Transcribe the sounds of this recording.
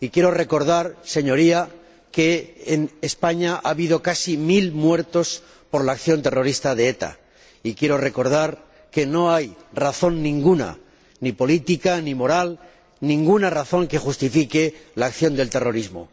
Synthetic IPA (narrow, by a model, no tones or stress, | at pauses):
ikje̞ɾo̞re̞ko̞ɾð̞aɾse̞ɲo̞ɾia | ke̞enespaɲaʔaβið̞o̞kasimilmwe̞ɾt̪o̞s | po̞ɾlaːkθjo̞nt̪e̞ro̞ɾist̪að̞e̞et̪a̰ | ikje̞ɾo̞re̞ko̞ɾð̞aɾ | ke̞no̞ajraθo̞nːĩŋɡuna̰ | nipo̞lit̪ikanimo̞ɾal | nĩŋɡunaraθo̞ŋke̞xust̪ifike̞laːkθjo̞nd̪e̞lt̪e̞ro̞ɾizmo̞̰